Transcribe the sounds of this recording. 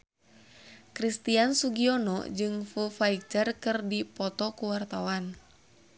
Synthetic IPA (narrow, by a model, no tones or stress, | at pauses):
kɾist̪iansuɡiɔnɔ̰d͡ʒɨŋfufaik̚t͡ʃərkɨrdipɔt̪ɔkuwart̪awan